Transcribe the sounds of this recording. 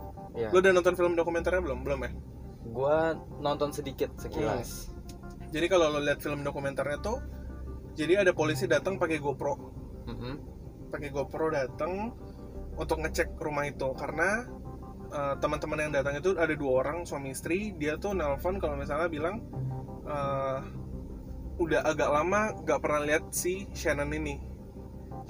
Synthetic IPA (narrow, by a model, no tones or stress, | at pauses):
jalʊdanɔnt̪ɔnfiləmdokumɛnt̪arɲabəlʊmbəlʊmɛh | ɡua | nɔnt̪ɔnsədikɪt̪̚səkila̰s | d͡ʒadikalolʊliat̪̚filəmdokumɛnt̪arɲat̪u | d͡ʒadiadapolis̬idat̪əŋpakeɡopɾo | m̩ | pakeɡopɾodat̪əŋ | unt̪ʊk̚ŋət͡ʃɛk̚rumahit̪ukaɾəna | əːt̪əmənt̪əmənjaŋdat̪aŋit̪uadaduaoɾaŋsuamiːst̪ɾidiat̪unɛlfɔnkalomisalɲabilaŋ | ʔəː | udaɦʔaɡaʔlamaŋɡaʔpərnaliɦat̪̚siʃanəninɪ